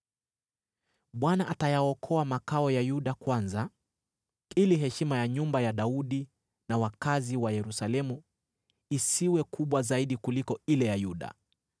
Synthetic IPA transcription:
ɓwanaʔatajaɔkʰɔamakaɔjajuɗakwanza | iliɦɛʃimajaɲumbajaɗauɗi | nawakaziwajɛɾusalɛmu | isiwɛkuɓwazaiɗikulikɔilɛjajuɗa̰

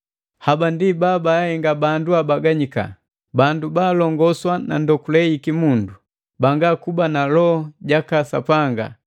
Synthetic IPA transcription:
habandibabaahɛŋɡabanduabaɡaɲika̰ | bandubaːlɔŋɡɔswana̰ndɔkulɛikimundu | baŋɡakubanalɔɔɟakasa̰paŋɡa̰

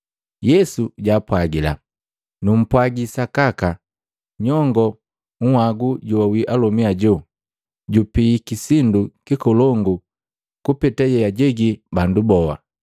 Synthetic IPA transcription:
jɛsuɟaːpwaɡila̰ | num̩pwaɡisakaka | ɲɔŋɡɔ | ŋ̩hwaɡuɟuwawiʔalɔmiaɟu | ɟupikisindukikɔlɔŋɡu | kupɛtajɛjaɟɛɡibandubɔwa̰

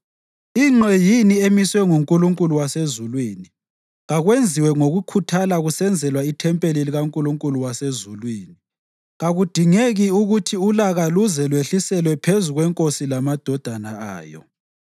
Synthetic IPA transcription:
iŋ͡ǁʱejiniemiswɛŋuŋkʼuluŋkʼuluwasezulwiːni | ɣaɣwend͡zʱiwɛŋoɣukʰutʰalaɣusɛnd͡zʱɛlwaitʰɛmpʼeliliɣaŋkʼuluŋkʼuluwasezulwiːni | ɣaɣud̥ʱiŋeɣiuɣutʰiulaɣaluzɛlweɬisɛlwɛpʰezuɣwɛŋkʼosilamad̥ʱɔd̥ʱana̰a̰ːjɔ̰

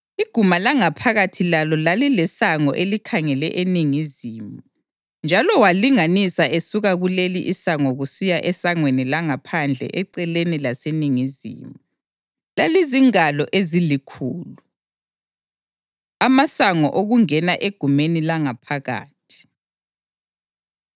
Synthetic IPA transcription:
iɡ̥ʱumalaŋapʰaɣatʰilalɔlalilɛsaŋɔʔelikʰaŋɛlɛʔeniŋizimu | nd͡ʒʱalɔwaliŋanisaesuɣaɣuleliʔisaŋɔɣusijaʔɛsaŋwenilaŋapʰand͡ɮʱɛ̰ʔɛǀɛlenilaseniŋizḭːm | laliziŋalɔʔezilikʰuːlu | amasaŋɔʔoɣuŋɛnaʔeɡ̥ʱumenilaŋapʰaɣa̰ːtʰi̥

